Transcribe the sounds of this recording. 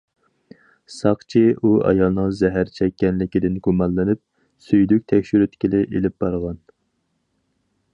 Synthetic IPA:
sɑqt͡ʃʰiuɑ̰jɑlˠnəŋzɛɦæɾt͡ʃʰɛkʲːɛnlɪkʲid̪ɪnɡumɑlˠːɨnɪp̚ | syjlyk̚ʲt̪ʰɛkʲʃyɾyt̪kʲʰilɪʔelɪp̚b̥ɑɾʁɑn

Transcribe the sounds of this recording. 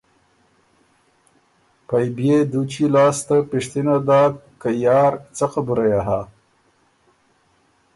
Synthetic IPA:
pajbjed̪ut͡ʃilɑːst̪apɪʂt̪inad̪ɑːkajɑːɾt͡saqabuɾajaɦa

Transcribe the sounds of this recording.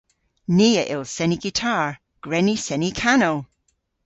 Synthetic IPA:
niːəʔɪlˠsɛniɡ̥itʰaɹ | ɡ̥ɹɛnisɛnikʰanow

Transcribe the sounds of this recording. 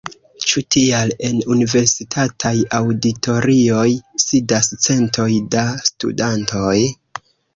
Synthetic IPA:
t͡ʃutʰiale̞nunive̞ɾsitʰatʰajawditʰo̞ɾio̞jsidast͡se̞ntʰo̞jdastṵdanto̞j

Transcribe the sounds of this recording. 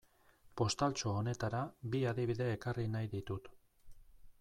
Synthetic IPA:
po̞st̪alt͡ʃo̞one̞t̪aɾabiaðiβ̞iðe̞ːkarinajðit̪ut̪

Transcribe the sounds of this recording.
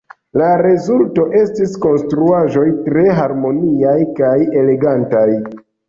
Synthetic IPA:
laɾe̞zulto̞ʔe̞stisko̞nstɾuaʒo̞jtɾe̞ɦaɾmo̞niajkaje̞le̞ɡantaj

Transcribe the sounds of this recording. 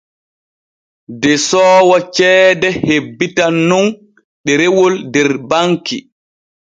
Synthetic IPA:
dɛsɔːwɔt͡ʃɛːdɛhebːitanːun | ɗɛɾewoldɛɾbaŋki

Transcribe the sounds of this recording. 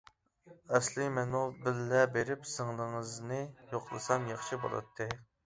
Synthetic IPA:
ɛslɪmɛnubɪlːɛbeɾɪpsɨŋlˠəŋəznɨjoqlˠɨ̰sɑmjɑχʃɨbo̰lˠɑ̰t̪ʰːɨ

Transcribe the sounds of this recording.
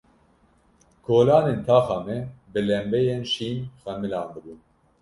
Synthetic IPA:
kʰoːlɑːneːnt̪ʰɑːxɑːmɛbɨlɛmbɛjeːnʃiːnxɛmɨlɑːnb̪ɨbuːn

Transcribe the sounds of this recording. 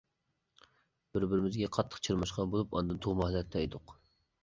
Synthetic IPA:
b̥ɪɾbɪɾɪmɪzɡʲɛqʰɑt̪ʰːə̥qt͡ʃʰiɾmɑʃqɑnbolˠupɑ̰nd̪ɨnt̪ʰoʁmɑhlɛt̪ʰːɛjd̪ʊq

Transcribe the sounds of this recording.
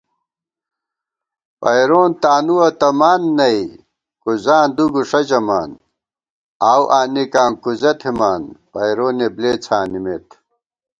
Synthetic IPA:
pɐ̰jɾoːnt̪aːnuwɐt̪ɐmaːnːɐi | kuzaːnd̪uɡuʂɐd͡ʑɐmaːn | aːwʔaːnikaːŋkuzɐt̪ʰimaːnpɐjɾoːnebleːt͡sʰaːnimeːt̪

